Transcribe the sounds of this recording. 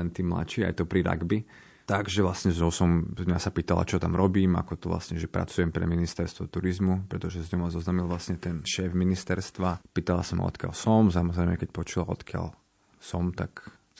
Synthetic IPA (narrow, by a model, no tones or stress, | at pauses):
ɛnt̪iːmla̰t͡ʃiːa̰jt̪ɔpɾiɾa̰ɡbi | t̪aɡʒɛʋlasɲɛzɲɔʊsɔmmɲasapiːt̪ala̰t͡ʃɔt̪amɾɔbiːma̰kɔt̪ɔʋla̰sɲɛʒɛpɾa̰t͡sujɛmpɾɛ̰minist̪ɛɾst̪ʋɔt̪uɾizmupɾɛt̪ɔʒɛzɲɔmazɔznaːmilˠʋlasɲɛt̪ɛnʃɛːvminist̪ɛɾst̪ʋapiːt̪ala̰sama̰ɔ̰t̪ka̰lsɔms̬amɔzɾɛɪmɛkɛc̚pɔt͡ʃulaɔ̰t̪kɪa̰l | sɔmt̪a̰k